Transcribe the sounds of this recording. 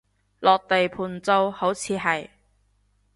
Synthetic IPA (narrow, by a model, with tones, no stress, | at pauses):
lʔɔː˨k̚t̪e˨jpʰuː˨˩nt͡so˧who˨˥wt͡sʰiː˨˧ɦɐ˨j